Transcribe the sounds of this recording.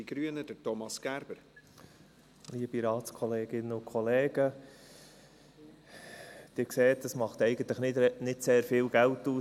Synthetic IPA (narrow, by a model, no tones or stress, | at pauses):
iɡ̥ɾyənəd̥əɾtɔmɑsɡ̥æɾb̥əɾ | liəb̥iɾɑːtskʰɔleːɡ̥ɪnəʊkʰχɔleːɡ̥ə | d̥ɪɾkseːt̚dəsmɑχt̪ɛɪɡ̥əntləχnɪnɪtseːɾfɪːlɡ̥æltuː